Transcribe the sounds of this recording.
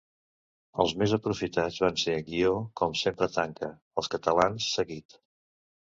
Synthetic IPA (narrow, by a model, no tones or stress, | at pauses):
əlˠzmezəpɾufit̪ad͡zβanseɡiokɔmsempɾət̪aŋkʰə | əlˠskət̪əlansːəɣit̪